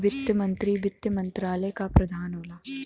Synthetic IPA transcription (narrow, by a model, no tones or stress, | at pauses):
ʋɪt̪jəmɐ̃nt̪ɾiʋɪt̪jəmɐ̃nt̪ɾaːləjkapɾɐd̪ʱaːnoːlaː